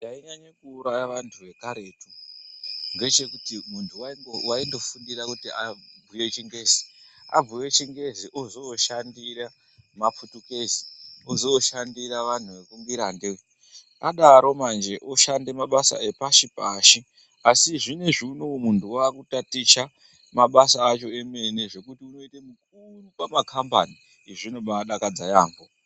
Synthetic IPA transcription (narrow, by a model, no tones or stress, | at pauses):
ndaiɲaɲekuːɾajaʋantʰuʋe̞kaɾe̞ːtu | ŋɡe̞t͡ʃe̞kutimuntʰuwaiowaindo̞fundirakutiab͡vʱuje̞t͡ʃiŋɡe̞ːzia̰b͡vuje̞t͡ʃiŋɡe̞ziʔozoʃandiɾa | map͡futukeziozoʃandiɾaʋan̤uʋe̞kumbiɾande | aɗaɾo̞mand͡ʒeʔoʃande̞maɓasa̰e̞paʃipaʃi | asiʐine̞ʐinomuntuwaːkutatit͡ʃa | maɓasaːt͡ʃo̞e̞me̞ne̞ʐe̞kutiuno̞itemuk̚urupamakʰamba̰ni | eʐinomaɗakad͡zajaːŋɡo